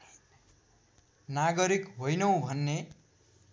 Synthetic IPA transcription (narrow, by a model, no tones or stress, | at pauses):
naɡʌɾikɦojnʌw̃bʱʌnːe